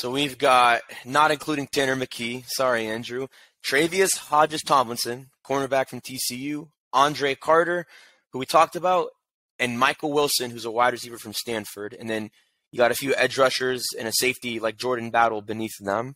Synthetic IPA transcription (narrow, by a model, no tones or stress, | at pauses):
soʊwivɡɑt̚nəɾɨ̃nkʰl̥uɾɪ̃ŋtʰɛ̃ñə˞mɨkʰisɑɹiæ̃ndɹʉ | tʰɹ̥eɪviɨshɑd͡ʒɨstʰɑ̃mlə̃nsɨ̃nkʰɔɹnə˞bækfɹʌ̃mtʰisijʉ | ʔɑ̃ndɹeɪkʰɑɹɾə˞ | huwitʰɔk̚tɨbaʊɾ | ɨ̃nmaɪkl̩ˠwɪlˠsɨ̃nhʉzəwaɪɾɹɨsivə˞fɹʌ̃mstæ̃nfə˞ɾɨ̃nðɨ̃n | jɨɡɑɾɨfjʉʔɛd͡ʒɹʌʃə˞zɨ̰̃nɨseɪftilaɪk̚ʒ̥ɔɹdⁿn̩bæɾl̩ˠbɨniθðə̃m